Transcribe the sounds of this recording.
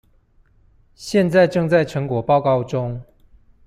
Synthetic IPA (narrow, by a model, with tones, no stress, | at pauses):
ɕjɛ˥˨nt͡sa˥˧ɪʈ͡ʂɤ˥˧ŋt͡sa˥˩ɪʈ͡ʂʰɤ˧˥ŋkwɔ˨˩pɑ˥˧ʊkɑ˥˧ʊʈ͡ʂʊ˦ŋ